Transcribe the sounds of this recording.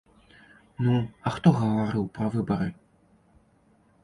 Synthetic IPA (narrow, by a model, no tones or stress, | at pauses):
nuɐxt̪ɔɣɐvaɾɨwpɾɐvɨbɐɾɨ